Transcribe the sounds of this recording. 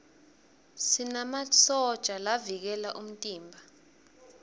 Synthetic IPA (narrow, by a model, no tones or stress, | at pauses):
sinamat͡sɔd̥t͡ʃʼalavik̬ɛlaʔum̩tʼiːmbʱa